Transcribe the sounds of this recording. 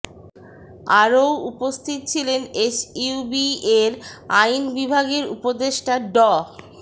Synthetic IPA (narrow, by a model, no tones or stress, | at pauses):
aɾowupost̪ʰit̪̚t͡ɕʰilenet͡ɕiubieɾajnbibʱaɡeɾṵpod̪eʃʈaɖɔ